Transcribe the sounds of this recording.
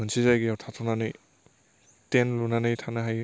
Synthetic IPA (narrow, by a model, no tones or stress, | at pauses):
ɦɯnsizajɡiawtʰatʰɔnanɯj | tenlunanɯjtʰanaɦaj